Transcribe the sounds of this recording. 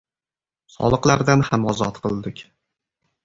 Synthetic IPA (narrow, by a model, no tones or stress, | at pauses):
sɒ̰lˠɨqlˠaɾd̪anhamɒzɒt̪qʰɨlˠd̪ɪkʲ